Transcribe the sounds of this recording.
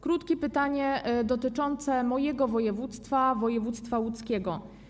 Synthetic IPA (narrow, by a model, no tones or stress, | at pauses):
kɾut̪kʲɛpɘt̪aɲɛd̪ɔt̪ɘt͡ʂɔnt̪sɛmɔjɛɡɔvɔjɛvut̪st̪favɔjɛvut̪st̪fawut̪skʲɛɡɔ